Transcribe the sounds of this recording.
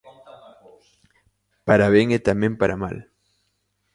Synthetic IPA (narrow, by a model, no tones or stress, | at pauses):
paɾaβjeŋet̪amje̞mpaɾʔama̰l